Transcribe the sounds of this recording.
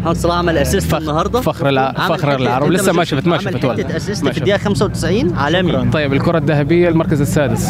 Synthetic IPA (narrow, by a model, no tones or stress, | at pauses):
ħansˤɑlɑʕamælʔæsasfanːɑhɑɾˤd̪ˤɑfaxɾlʕafaxɾɑɾˤɪlʕɑɾˤɑblɪsːamaʃaft̪maʃafat̪walʔæsasmːʃd̪jæːʔxæmsawt̪ɪ̥sʕiːnʕaːlæmjːt̪ˤɑjːɪbɪlkʊɾˤɑd̪ːahabɪjːalmɑɾˤkazasːaːd̪ɪs